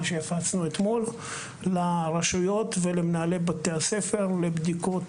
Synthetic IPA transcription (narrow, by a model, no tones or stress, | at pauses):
ʃejafat͡snuet̪mo̞lː | aʁaʃujo̞t̪velemenaːlebat̪ease̞fe̞ʁlebd̪iko̞t